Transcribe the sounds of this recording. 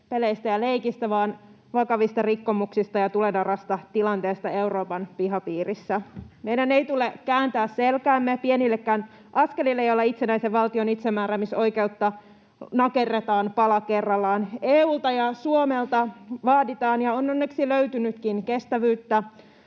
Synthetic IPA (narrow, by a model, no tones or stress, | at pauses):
pe̞leist̪æjɑle̞ikist̪æʋɑːn | ʋɑkɑʋist̪ɑrikːo̞muksist̪ɑjɑt̪ule̞dɑrɑst̪ɑt̪ilɑnt̪e̞ːst̪ɑe̞uɾo̞ːpɑnpiɦɑpiːrisːæme̞jdæne̞jt̪ulekæːnt̪æːsselkæːmːepienilːekːæːn | ʔɑske̞lilːejolːɑit̪senæiseʋʋɑlt̪ionit̪semːæːɾæmiso̞jke̞ut̪ːɑ | nɑke̞rːet̪ɑːnpɑlɑke̞rːɑlːɑːneːuːlt̪ɑjɑsuomelt̪ɑʋɑːdit̪ɑːnjɑonːonːeksiløyt̪ynyt̪kinke̞st̪æʋyːt̪ːæ